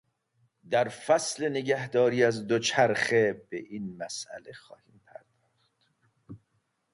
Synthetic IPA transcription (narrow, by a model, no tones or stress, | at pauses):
d̪æɾfæsle̞neɟæhd̪ɒːɾiːæzd̪ot͡ʃʰæɾχe̞bḛʔiːnmæsʔæ̰le̞xɒ̰ːhiːmpʰæ̰ɾd̪̥ɒːχt̪